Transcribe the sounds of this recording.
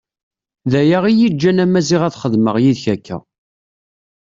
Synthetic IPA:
ðæjaʁijid͡ʒːænæmæziʁæθχəðməʁjiðçækːæ̰

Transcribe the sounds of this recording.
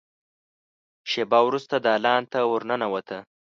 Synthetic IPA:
ʃebɑwɾust̪ad̪ɑːlɑnt̪awʊɾnənawat̪ʰə

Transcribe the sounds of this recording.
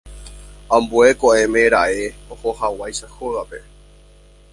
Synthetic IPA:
ãmbue̞koʔẽ̞mẽɾaʔe̞ohohawajʃahoɣape̞

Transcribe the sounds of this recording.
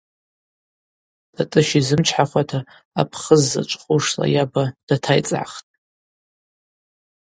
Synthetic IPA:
d̥ʼatʼɨʃizɨmt͡ʃʰħaχʷatʰa̰ː | pʰχəzːa̰t͡ʃʷʼχʼuʂla̰jabad̥atʰajt͡sʼa̰χtʼ

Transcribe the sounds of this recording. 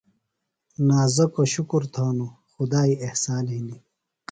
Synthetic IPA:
naːzɐkoɕukuɾt̪ʰaːnuxud̪aːiehsaːnɦind̪i

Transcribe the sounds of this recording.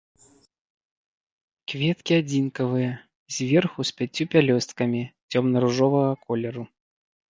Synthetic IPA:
kvʲɛt̪kʲiad͡zʲinkɐvɨjɐ | zʲvʲɛrxuspʲat͡sʲːupʲalʲɔst̪kɐmʲit͡sʲɔmnɐɾuʐɔvɐɣɐkɔlʲɛɾu

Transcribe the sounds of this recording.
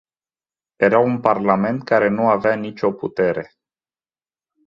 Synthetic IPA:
jeɾawunparlame̞nt̪̚kaɾe̞nuaveanit͡ʃo̞put̪e̞ɾe̞

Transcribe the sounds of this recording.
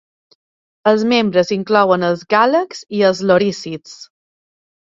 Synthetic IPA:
əlzmembɾəziŋklɔwənəlzɣaləkziəlzloɾisit͡s

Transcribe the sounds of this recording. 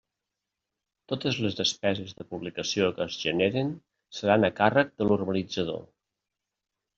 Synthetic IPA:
t̪ot̪əzləzðəspɛzəzðəpuβlikəsiokəːzʒəneɾən | səɾanəkarək̚d̪əlurβəlid͡zəð̞o̰

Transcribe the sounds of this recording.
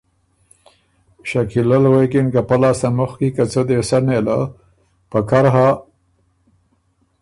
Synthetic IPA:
ʃakilalwekɪnkapalɑsamʊxkikat͡səd̪esanela̰ | pakaɾɦa

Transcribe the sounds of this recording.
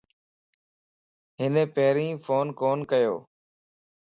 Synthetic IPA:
ɦɪnẽːpeɦɾĩːfʰoːnkoːnkəjo̰ː

